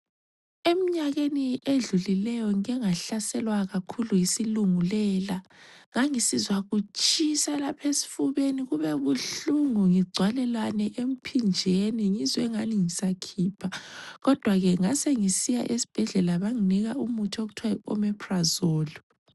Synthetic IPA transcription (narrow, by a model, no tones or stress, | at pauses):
em̩ɲaɣenieɮulilɛjɔŋɛŋaɬasɛlwaɣakʰulujisiluŋulɛːlaŋaŋisizwaɣut͡ʃʼisalapʰesi̥fuβeniɣuβɛβuɬuŋuŋiɡ͡ǀʱwalɛlwanɛʔem̩pʰind͡ʒʱeniŋizwɛŋaniŋisakʰiːpʰaɣɔd̥ʱwaɣɛŋaseŋisijaʔesi̥b̥ʱɛɮɛlaβaŋiniɣaumutʰoɣutʰwaɔ̰mɛpʰrazoːlu